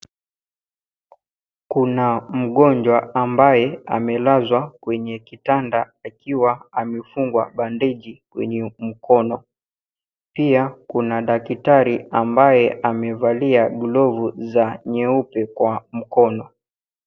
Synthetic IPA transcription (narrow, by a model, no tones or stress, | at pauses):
kunam̩ɠɔɲd͡ʒwaambajɛa̰mɛlazwakwɛɲɛkitanda | akiwaamɛfuŋɡwa̰ɓandɛʄikwɛ̰ɲɛm̩kɔnɔ | piakunaɗakitaɾiambajɛamɛvaliaɡulɔvuzaɲɛupɛkwam̩kɔnɔ